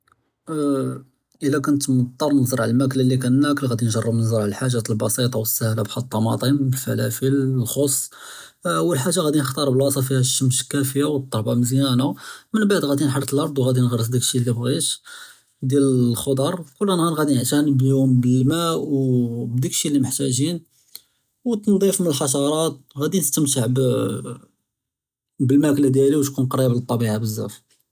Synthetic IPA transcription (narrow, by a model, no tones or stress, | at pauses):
ʔəlːækʊnt̪mət̪ˤːɑɾˤnɑzˤəɾˤʕllmækləlːik̬ænːækəlɣæd̪inʒɑrˤːəbnzˤɾˤʕləlħaʒːat̪əlbɑsit̪ˤɑwəsːæhlabxɑt̪ˤːɑmɑ̰t̪ˤimfæ̰læfillxosˤː | ʔəwːəlħaʒːaɣæd̪inəxt̪ɑɾˤbəlwɑsˤɑfihæʃːəmʃkːæfəjːawət̪ˤːɑhbɑməzjænamənbaʕd̪ɣæd̪inħɑɾˤt̪əlʔɑɾˤd̪ˤwɣæd̪inɣɑɾˤəs̬d̪ikʃilːibɣiʃ | d̪jæləxod̪ˤɑɾˤkʊlːænɣænɣæd̪inəʕt̪ænbliʊmbəlmæwbd̪ikʃilːiməħt̪æʒin | wt̪nd̪ˤifmənəlħɑʃ̬ɑɾˤɑt̪̚ɣæd̪inəst̪əmt̪̬əʕb | bəlmæklæd̪jæliwʃkunqɑɾjablt̪ˤːɑbiʕabəzːæ̰f